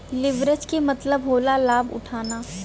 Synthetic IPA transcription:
lɪʋɾət͡ʃkemɐt̪ləbɦoːlalaːbʊ̰ʈʰaːnaː

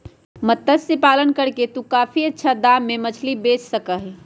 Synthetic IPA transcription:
mət̪ːəsepaːlənkəɾket̪ũkaːpʰiətːʃʰad̪aːmːemət͡ʃʰlibeːt͡ʃʰsəkəɦ

